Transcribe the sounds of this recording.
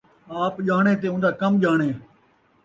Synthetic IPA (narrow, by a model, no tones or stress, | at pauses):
aːpʄaːɳ̃ẽːt̪̬eːʊ̃nd̪aːkəmʄaːɳ̃eː